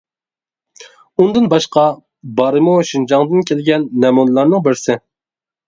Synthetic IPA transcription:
und̪ɨnbɑʃqɑ | bɑɾɨmuʃind͡ʒɑŋd̪ɨnkʲʰelɡʲɛnːɛmunlˠɑɾnɨŋbɪɾsɪ

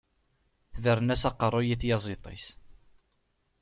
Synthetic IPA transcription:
θvərːənæsɑqːərˤːojiθjɑzˤet̪ˤḭs

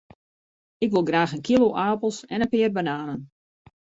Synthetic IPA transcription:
ɪkʋɪlˠɡraːxənkiloʔaːpəlˠsɛnənpɪərbənaːnən

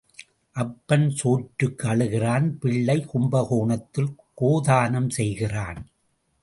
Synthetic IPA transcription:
ʔɐpːɐnsoːʈɾɯkːɯɐɭɯɣɪraːnpɪɭːɐɪkʊmbɐɣoːɳɐt̪ːɪlkoːðaːnɐmsɛjɣɪraːn

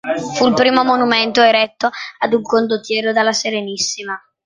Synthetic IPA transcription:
fulpɾiːmomonument̪oeɾɛt̪ːoad̪uŋkond̪ot̪jɛːɾod̪alːaseɾenisːima

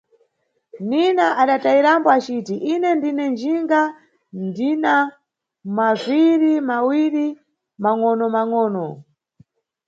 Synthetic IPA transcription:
ninaʔaɗataiɾambɔat͡ʃitiʔinɛndinɛnd͡ʒiŋɡa | ndina | mazʷiɾimawiɾi | maŋɔnɔmaŋɔːnɔ

